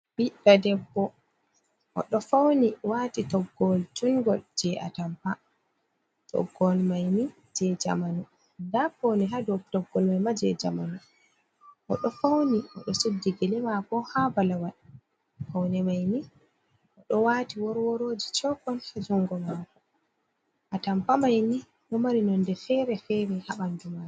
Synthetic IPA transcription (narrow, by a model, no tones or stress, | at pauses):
biɗadɛbːɔ | ʔɔ̰ɗɔfawniwaːtitɔɡːɔld͡ʒuŋɡɔld͡ʒɛʔa̰tampa | tɔ̰ɡːɔlmajni | d͡ʒɛd͡ʒa̰manu | ndaponiɦadɔtɔɡːɔlmajmad͡ʒɛd͡ʒa̰ma̰nu | ʔɔɗɔfawniʔɔɗɔsedːiɡɛlɛmakɔhabalawaɗi | fawnɛmajni | ʔɔɗɔwatiwɔɾwɔɾoːd͡ʒit͡ʃɔkɔnhad͡ʒuŋɡɔmakɔ | ʔatampamajni | ɗɔmaɾinɔndɛfɛɾɛfɛɾihaɓandumaɛ